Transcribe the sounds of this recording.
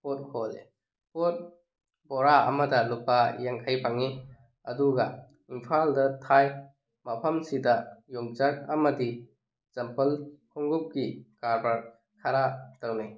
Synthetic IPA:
pot̚kʰɔlḛ | pot̚ | bɔɾaɐ̰mɐdɐlupajaŋkʰajpaŋi | ɐduɡɐ | inpʰaldɐtʰaj | mɐpʰɐmsidɐjoŋt͡ʃɐk̚ɐmɐdi | z̥ɐmpɐlkʰɔŋɡup̚ɡikaɾbɐɾ | kʰaɾatɐwnaj

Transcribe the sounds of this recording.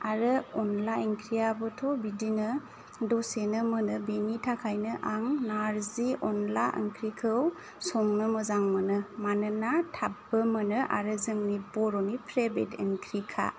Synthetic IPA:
aɾɯɔnlaeŋkʰɾijabɯtʰɔbidinɯ | dɔsenəmɯnɯbenitʰakʰajnɯʔaŋnaɾziɔnlaʔḛŋkʰɾikʰɯw | sɔŋnɯməzaŋmənɯmanɯnatʰabːəmənɯʔa̰ɾɯzɯŋnibɔɾɔnipʰɾebḛteŋkʰɾikʰa̰

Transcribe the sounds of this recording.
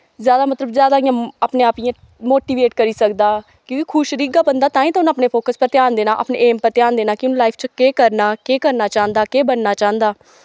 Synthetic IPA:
zjaːd̪aːmət̪ləbzjaːd̪aːɪ̃jãːapneːaːpiãː | moːʈiːʋeːʈkəɾiːsəkd̪aː | kjõːkɪkʰʊʃɾiːɡaːbənd̪aːt̪ãːĩːt̪aʊnəːpneːpʰoːkəspəɾt̪ɪjaːnd̪eːnãːʔə̰pnḛːʔeːmpəɾt̪jaːnd̪eːnaːkɪʊñːlaːɪpʰt͡ʃkeːkəɾnaːkeːkəɾnaːt͡ʃãːnd̪aːkeːbənːaːt͡ʃãːnd̪aː

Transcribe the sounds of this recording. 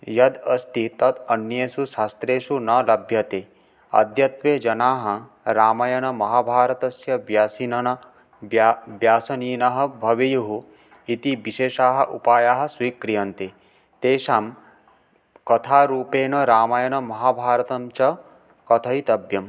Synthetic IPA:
jɐd̪ɐst̪it̪ɐt̪ɐnjeːsuʃaːst̪ɾeːʃunɐlɐbʱjɐt̪e | ɐ̰d̪ʱjɐt̪ʋeːd͡ʒɐnaːɦɐ̆ | ɾaːmɐjɐnɐmɐɦaːbʱaːɾɐt̪ɐsjɐʋjaːsinɐnɐ | ʋjaːsɐniːnɐɦɐ̆bʱɐʋijuɦu | it̪iʋiʃeːʃaːɦɐ̆ʔṵpaːjaːɦɐ̆swiːkɾijɐnt̪e | t̪eːʃaːm | kɐt̪ʰaːɾuːpeːnɐɾaːmajɐnɐmɐɦaːbʱaːɾɐt̪ɐmt͡ʃɐ | kɐt̪ʰɐit̪ɐbʱjɐm

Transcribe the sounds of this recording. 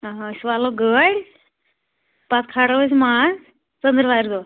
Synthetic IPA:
sʋaloɡəɽʲ | pat͡skʰaɽəʋəs̬man | t͡sənd̪ɾʋaɾd̪o

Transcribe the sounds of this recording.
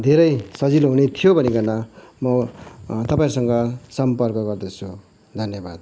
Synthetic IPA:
d̪ʱeɾʌjsʌd͡ziloɦunet̪ʰijobʱʌneɡʌnamʌt̪ʌpaĩɾusʌŋɡʌsʌmpʌrkʌɡʌrd̪ʌt͡sʰu | d̪ʱʌnjʌbad̪̚

